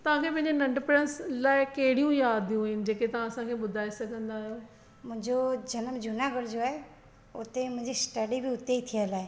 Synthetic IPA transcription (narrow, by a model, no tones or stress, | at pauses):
t̪ɐʋ̤ãkʰepɐ̃ɦɪ̃ɲd͡ʑenɐ̃ɳɖpɾənslaːɪkɐɦɪɽijũjaːd̪ʱijũɦɪnɪ̆d͡ʑeːket̪ɐʋ̤ãɐsãkʰeɓʊd̪ʱaːesɐɡʱə̃nd̪aːɦijoː | mʊ̃ɦɪ̃ɲd͡ʑod͡ʑɐnəmd͡ʑʊnaɡəɽd͡ʑoae | ʊ̰t̪emʊ̃ɦɪ̃ɲd͡ʑisʈəɖibʱiʊt̪eit̪ʰialaːe